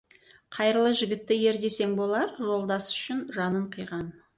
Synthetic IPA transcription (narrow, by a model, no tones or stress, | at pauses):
qʰɑjɾəlˠəʒɪɡʲɪt̪ːɪje̞ɾd̪e̞se̞ŋbo̞lˠɑɾʒo̞lˠd̪ɑsʏ̥ʃɪnʒɑnəɴqʰəjʁɑn